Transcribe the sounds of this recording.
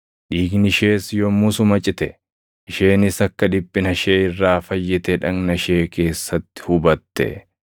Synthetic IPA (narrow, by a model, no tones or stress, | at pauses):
ᶑiːɡnɪʃe̞ːsjɔmːʊsʊmɐt͡ʃʼɪt̪ɛ | ɪʃe̞ːnɪsɐkːɐd̪ɪbʼːɪnɐʃeːɪrːaːfɐjːɪt̪ɛᶑɐŋnɐʃe̞ːke̞ːsːɐt̪ːɪ̥hʊbɐt̪ːɛ̰